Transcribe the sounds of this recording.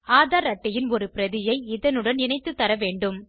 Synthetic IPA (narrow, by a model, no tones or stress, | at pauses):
aːðaːɾɐʈːɐjɪnɔɾɯpɪɾɐðɪjɐɪɪðɐnɯɽɐnɪnɐɪt̪ːɯt̪ːɐɾɐʋeːɳɖɯm